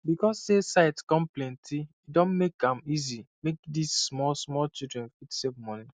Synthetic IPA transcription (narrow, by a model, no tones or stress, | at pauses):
bikɔsːesaɪtkɔ̃mplẽntʰiidõnmekãmizimek̚dissmɔlsmɔlt͡ʃidɹɛ̃nfitsepmɔni